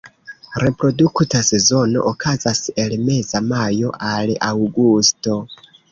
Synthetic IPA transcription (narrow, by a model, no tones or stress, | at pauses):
ɾe̞pɾo̞duktʰase̞zo̞no̞̰ʔokʰazase̞lme̞zamajo̞ʔalawɡusto̞